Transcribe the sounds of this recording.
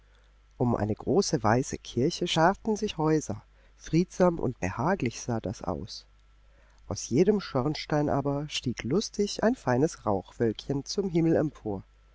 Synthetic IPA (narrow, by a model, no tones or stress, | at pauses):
ʔʊmʔa̰ɪnəɡʁoːsəvaɪsəkʰɪɐçəʃaʁtn̩zɪçhɔʏzɐ | fʁ̥iːtz̥aːmʔʊ̰nt̚b̥əhaːklɪçz̥aːda̰sʔa̰ʊs | ʔaʊsjeːdəmʃɔʁnʃtaɪnʔa̰ːbɐʃtiːklʊstʰɪçʔaɪnfaɪnəsʁaʊxv̥œlkçənt͡sʊmɦɪml̩ɛmpʰoːɐ